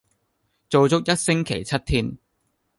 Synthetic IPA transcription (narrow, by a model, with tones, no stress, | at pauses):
t͡so˨wt͡sʊ˥k̚jɐ˥t̚sɪ˥ŋkʰe˨˩jt͡sʰɐ˥t̚t̪ʰiː˥n